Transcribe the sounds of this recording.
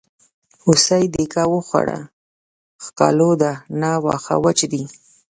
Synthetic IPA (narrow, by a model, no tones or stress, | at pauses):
ʊsajd̪ekawəxwa̰ɽa̰ | xkɑlod̪anɑwɑ̰xa̰wat͡ʃd̪i